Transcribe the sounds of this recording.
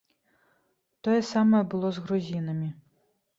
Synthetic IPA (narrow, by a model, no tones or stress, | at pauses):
t̪ɔjɛsamɐjɛbɨlˠɔzɣɾuzʲinɐmʲi